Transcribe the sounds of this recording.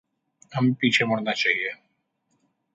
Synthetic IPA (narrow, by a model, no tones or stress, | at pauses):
amĩpit͡ʃʰeməɽnat͡ʃaːɦie